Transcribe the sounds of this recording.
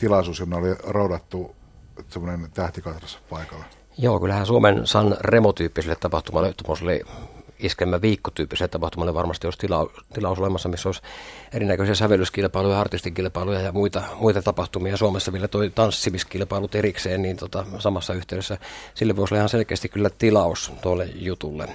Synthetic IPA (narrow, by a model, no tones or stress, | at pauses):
t̪ilɑisuːsjomneolirɑudɑt̪ːu | semːonent̪æht̪ikɑt̪rɑsɑ̥pɑˑikɑlːe | joːkylːæhæːsuomensɑnremot̪yːpːiselːet̪ɑpɑht̪umɑlːet̪omoˑselːḛiskemːæʋiːkːot̪yːpːiselet̪ɑpɑht̪umɑlːeʋɑrmɑst̪ioˑst̪ilɑut̪ilɑˑusolemɑsːɑmisːoˑiserinækøsiæsæʋelyskilpɑˑilujɑɑrt̪ist̪iŋkilpɑˑilujɑjɑmuit̪ɑmuit̪ɑt̪ɑpɑht̪umiɑsuomesːɑʋielæt̪oit̪ɑnsːimiskilpɑˑilut̪erikseːnniːnt̪ot̪ɑsɑmɑsːɑyht̪eˑyɾesːæsilːeʋoˑisolɑihɑnselkeːst̪ikylːæt̪ilɑˑust̪uolːḛjut̪ulːḛ